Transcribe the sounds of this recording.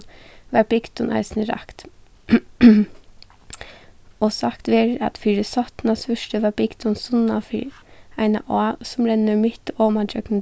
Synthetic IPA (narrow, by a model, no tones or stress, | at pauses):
ʋɑɾbɪɡd̪ʊnʔæ̰ɪsnəɾɑ̰kt̪ | ɔsakt̪ʋeːɾɑ̰t̪fɪɾɪsɔt̪nɑsfœʃʈəʋɑbɪɡd̪ʊnsʊnːɑfḭæɪna̰ʔɔasʊmɾɛnːəmɪt̪oːmɑd͡ʒœkn̩